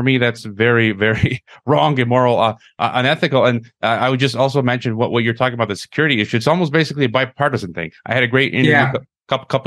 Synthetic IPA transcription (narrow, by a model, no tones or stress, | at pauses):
ə˞miðætsvɛɹivɛɹiɹɔ̃ŋɨ̃nmɔɹl̩ˠʌ | ʔʌ̰ʔə̃nɛθɨkl̩ˠɨ̃nʔʌaɪwɨd̚d͡ʒʌstɔlˠsoʊmɛ̃nʃɨ̃nwʌʔwʔʌt͡ʃə˞tʰɔkɪŋəbaʊt̪̚ðɨsɨ̥kʰj̥ʊɹɨɾiɪʃʉɨtsɔlˠmoʊs̚b̥eɪsɨkliɨbaɪp̚pʰːɑɹɾɨz̃n̩θɪ̰̃ŋʔaɪɨɾɨɡɹeɪɾʔɪ̃nk | kʰʌpkʰʌp